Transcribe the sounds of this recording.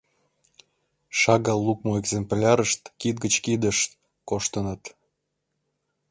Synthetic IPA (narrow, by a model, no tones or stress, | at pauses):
ʃɑɣɑlːuk̚moeɡzemplʲɑɾəʃt̪kit̪̚ɡət͡ɕkid̪əʃt̪ | koʃt̪ənət̪